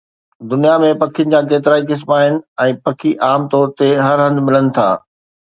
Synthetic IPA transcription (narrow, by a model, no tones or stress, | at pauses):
d̪ʊnijamẽpɐkʰijənɪ̆d͡ʑãːk̬eːt̪̬ɪɾaːikɪs̬maːɦɪnɪ̆ɛ̃ːpɐkʰiʔaːmt̪ɔːɾt̪eɦɐɾɦɐ̃nd̪mɪlənɪ̆t̪ʰa̰ː